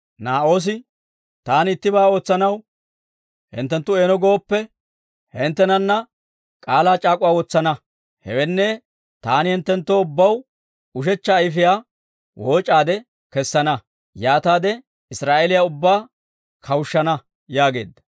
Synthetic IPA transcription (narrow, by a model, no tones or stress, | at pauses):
naːʔo̞ːs̬ɪ | t̪aːnɪt̪ːɪbaːo̞ːt͡sːɐnɐw | hɪ̰nt̪ːɛnt̪ːʊe̞ːnɔɡo̞ːpːɛ | hɛnt̪ːɛnɐnːɐ | kʼaːlaːt͡ʃʼaːkʼʊwaːwɔt͡sːɐnɐ | hɛ̰wɛnːɛ | t̪aːnɪhɛnt̪ːɛnt̪ːɔʊbːɐw | ʊʃ̬ɛt͡ʃːɐːjɪfɪjaː | wʔoːt͡ʃʼaːd̪ɛ | kɛsːɐnɐ | jaːt̪aːd̪ɛ | ɪsɾaːʔelɪjaʊbːaː | kʰɐwʊʃːɐnɐ | jaːɡe̞ːd̪ːɐ̥